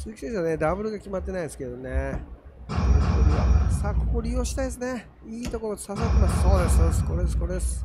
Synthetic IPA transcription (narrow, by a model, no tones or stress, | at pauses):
sikʲisesβane̞d̪abɯ̟ɾɯ̟ɡakʲimat̪ːe̞naid̪esɨ̥keed̪one | skoɾʲiβasakkoɾʲijoɕi̥t̪aid̪esɨne | iːt̪o̞ko̞ɾo̞d̪esasat̪ːemasso̞ːd̪esɨsko̞ɾe̞d̪sɨ̥ko̞ɾe̞d̪esɨ̥